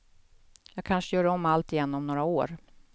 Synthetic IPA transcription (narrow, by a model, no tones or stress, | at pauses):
jɑːɡkʰanʂəjœːɖɔmːalt̪ɪjɛnːɔmnoːɾaoːɾ